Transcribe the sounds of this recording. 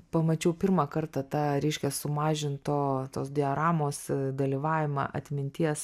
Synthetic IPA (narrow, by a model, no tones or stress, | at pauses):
pɐmɐt͡ʃʲɛʊpʲɪɾmɑkɐrt̪ɐt̪ɑːɾʲɛɪʃʲkʲɛsʊmɑːʒʲɪnt̪t̪oːt̪oːsd̪ʲɪɛɾɑːmoːsd̪ɐlʲiːʋɑːʋʲɪmɑ̰ʔɐ̰t̪ʲmʲɪnʲt̪ʲiɛs